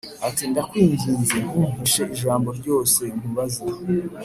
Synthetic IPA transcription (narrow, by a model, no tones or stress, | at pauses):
atindakwiːɲɡiːnzenuːmiʃeʔiʒaːmbo̞ɾɟo̞ːse̞im̥uβazia